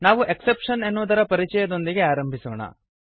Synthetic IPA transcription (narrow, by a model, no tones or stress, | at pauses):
naːʋuʔe̞ksepʂɐne̞nːuʋd̪ɐɾɐpɐɾit͡ʃɛjɐd̪o̞nd̪iɡe̞aːɾɐmbʱisɔːɳɐ̰